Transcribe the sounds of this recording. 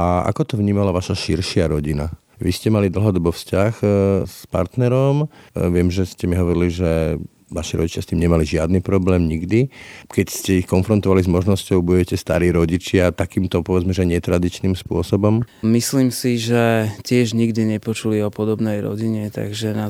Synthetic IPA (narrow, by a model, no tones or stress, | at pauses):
ʔaa̰kɔt̪ɔʋɲiːmalaʋaʃaʃiɾʃɪaɾɔɟina | ʋiscɛmalid̪l̩ɦɔd̪ɔbɔfscaxspa̰ɾt̪nɛɾɔmʋɪɛmʒɛscɛmiɦɔʋɔɾiliʒɛ | ʋaʃiɾɔ̰ɟit͡ʃjast̪iːmɲɛmaliʒɪad̪niːpɾɔblɛːmɲiɡd̪ikɛcscɛixkɔnfɾɔnt̪ɔʋalizmɔʒnɔscɔʊbuɛcɛst̪a̰ɾiːɾɔɟit͡ʃɪat̪akiːmt̪ɔpɔʋɛd͡zmɛʒɛɲɪɛt̪ɾad̪it͡ʃniːmspʊɔsɔbɔmmisliːmsiʒɛcɪɛʒɲiɡd̪iɲɛpɔt͡ʃuliɔpɔd̪ɔbnɛjɾɔ̰ɟiɲɛt̪a̰ɡʒɛna